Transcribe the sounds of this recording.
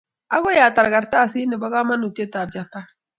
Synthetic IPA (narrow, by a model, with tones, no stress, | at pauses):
ʔa˦ɡo˦ja˨ta˨ɾɡa˨ɾta˦˨si˦ni˨ba˦ɣa˦ma˦nu˨te˦ta˨b̚d͡ʒa˨pːa˦